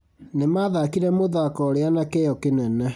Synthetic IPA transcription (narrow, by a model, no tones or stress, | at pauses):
nemaðakiɾɛmoðakɔɾeanakejɔkenɛnɛ